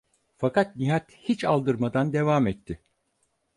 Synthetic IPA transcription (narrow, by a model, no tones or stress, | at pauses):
fakat̪̚niɦat̪hit͡ʃalˠd̪ɯɾmad̪and̪e̞vaːmɛt̪ʰːɪ